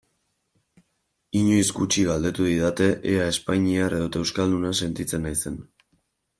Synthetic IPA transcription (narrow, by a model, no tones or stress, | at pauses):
iɲoisɡut͡ʃiɣald̪e̞t̪uðiðat̪e̞ʔeɾae̞spaɲiare̞ðot̪aewskald̪unase̞nt̪it͡se̞najse̞n